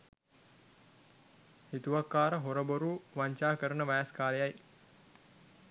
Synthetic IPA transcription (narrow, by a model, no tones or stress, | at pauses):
hit̪uʋakːaːɾəɦoɾəboɾuːʋaɲt͡ʃaːkəɾənəʋaːskaːlejaj